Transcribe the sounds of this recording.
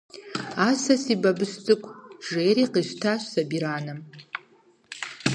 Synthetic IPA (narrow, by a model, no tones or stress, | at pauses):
asasibabɨst͡sʼɨkʷʰʼʒeːɾiqiʃʷtʰaʃʷsabiɾaːnɨm